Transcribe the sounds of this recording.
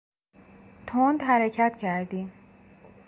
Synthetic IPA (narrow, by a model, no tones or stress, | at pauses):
t̪ʰond̪ɦæɾecʰæt̪cʰæɾd̪iːm